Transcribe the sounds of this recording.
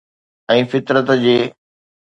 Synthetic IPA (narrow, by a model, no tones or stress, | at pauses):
ɛ̃ːfɪt̪ɾət̪d͡ʑeː